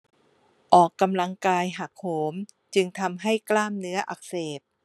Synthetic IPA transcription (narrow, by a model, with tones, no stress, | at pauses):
ʔɔː˨˩kːa˧mla˧ŋkaː˧jɦa˨˩k̚hoː˩˦m | t͡ɕɯ˧ŋt̪ʰa˧mɦa˥˩jklaː˥˩mnɯ˦˥ɐʔa˨˩k̚seː˨˩p̚